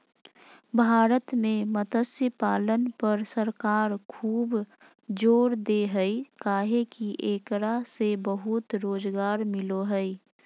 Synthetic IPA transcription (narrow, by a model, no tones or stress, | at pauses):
bʱaːɾət̪mẽmət̪əsəpaːlənpəɾsəɾkaːɾkʰuːb | d͡ʒoːɾd̪eɦəikaːɦekiʔeːkɾasebəɦut̪ɾoːd͡ʒɡaːɾmɪloɦəi